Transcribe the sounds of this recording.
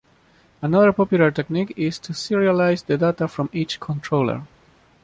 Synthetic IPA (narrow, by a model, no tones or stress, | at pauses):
ənʌðə˞pɔpjulaɹtɛknikɪz̥tʰusiɹialajzd̪ədat̪afɹɔ̃mit͡ʃkʰɔ̃ntʰɹoʊlə̰ɹ